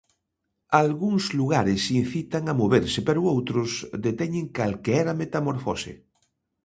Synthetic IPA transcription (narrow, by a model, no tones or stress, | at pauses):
alɣuŋzluɣaɾɪsin̟θit̪aŋamoβeɾsɪpeɾʊowt̪ɾʊsd̪et̪ɛɲẽŋkalkeɛɾamet̪amoɾfosḛ